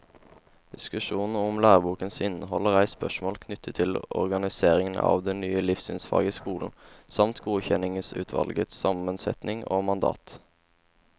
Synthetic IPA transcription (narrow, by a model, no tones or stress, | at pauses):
d̪̥ɪskʉʃuːnn̩ʊmlæːʁbuːkənsɪnəhɔləʁæɪspœʃmoːlkʰnʏt̪ʰːət̪ʰːɪlɔ̰ʁɡɑnɪseːʁɪŋənɑ̰ːʋd̪ɛnnyːəlɪfsɪnsfɑ̰ːɡəskuːln̩sɑmt̪ɡuːçɛnɪŋəsʉ̰ːt̪ʰʋɑ̰lɡət̪sɑmənsɛ̰t̪nɪŋoːmɑnd̪ɑ̰ːt̪